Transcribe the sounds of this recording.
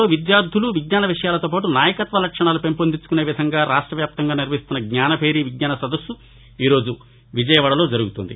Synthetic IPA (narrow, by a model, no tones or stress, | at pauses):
oːʋid̪jaːɾd̪ʱuluʋiɡɲʲaːnɐʋiʂɐjaːlɐt̪o̞ːp̬aːʈunaːjɐkɐt̪ʋɐlɐkʂɐɳaːlupe̞mpond̪it͡ʃu̥kuneːʋid̪ʱɐŋɡaːɾaːʂʈɾɐʋjaːp̚t̪ɐŋɡaːniɾʋɐist̪unːɐɡɲaːnɐpʰe̞ːɾiʋiɡɲaːnɐsɐd̪ɐsːu | iːɾo̞ːd͡ʒu | ʋid͡ʒɐjɐʋɐːɽɐlo̞ːd͡ʒɐɾuɡut̪und̪ḭ